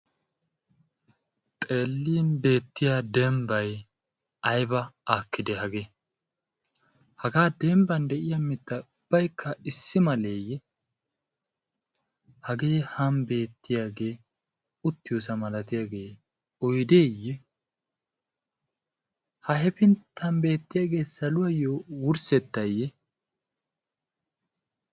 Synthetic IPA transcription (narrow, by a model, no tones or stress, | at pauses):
t̪ʼe̞ːlːiːnbe̞ːt̪ːɪjaːd̪ɛmbɐj | ɐjbɐaːkːɪd̪ɛhɐɡeː | hɐɡaːd̪ɛmbɐnd̪ɛʔɪjɐmɪt̪ːɐʊb̥ːɐjkːɐɪsːɪmɐle̞ːjːɛ | hɐɡe̞ːhɐmbe̞ːt̪ːɪjaːɡe̞ː | ʊt̪ːɪjos̬ɐmɐlɐt̪ɪjaɡe̞ː | ɔjd̪eːjːɛ | hɐhɛpɪnt̪ʰːɐmbe̞ːt̪ːɪjaːɡe̞ːsɐlʊwɐjoːwʊɾsɛt̪ːɐjːɛ